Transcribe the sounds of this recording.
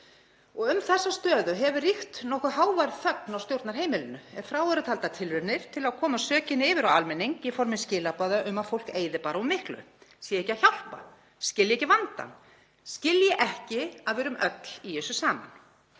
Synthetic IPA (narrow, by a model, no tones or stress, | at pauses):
ɔɣʏmθɛsːast̪œːðʏɦɛvʏrixt̪nɔhkʏɦaːwvajɾðθœknawst̪jowɾt̪naɾ̥ɦeːjmɪlɪnːʏɛfɾaːwɛɾʏt̪ʰalt̪at̪ʰɪlvɪɾnɪɾ̥t̪ʰɪlakʰɔːmasœːcɪnɪːvɪɾawalmɛnːiŋkɛfɔɾmɪnscɪːlapaːðaʔʏmaðfowl̥keːjðɪpaːɾaɔmɪhklʏ̰sjɛehcːɪaçjawl̥pa̰ | scɪljɪɛːcɪvant̪a̰n | scɪljɛʔɛhcɪaðvɛːɾʏmœt̪l̥ijɛːsʏsaːma̰n